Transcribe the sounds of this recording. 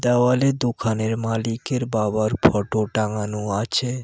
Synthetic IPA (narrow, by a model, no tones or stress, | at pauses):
d̪ɛwaled̪ukʰaneɾmalikeɾbabaɾpʰɔʈoʈaŋanuat͡ɕʰe